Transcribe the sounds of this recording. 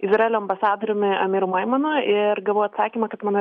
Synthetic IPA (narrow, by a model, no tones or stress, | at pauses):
ɪzɾɛlʲoːɐmbɐsɑːd̪oɾʲomʲɪɐmʲiːɾʊmɐɪmɐnʊɪɾɡɐlˠʋoːjɐt̪sɑːkʲiːmɐkɐt̪mɑːno